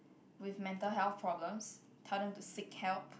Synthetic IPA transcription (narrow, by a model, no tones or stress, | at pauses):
wɪvmɛ̃ntəlɦɛlθpʰɹɔɡɹə̃ms | tʰanə̃ŋtusikhɛlp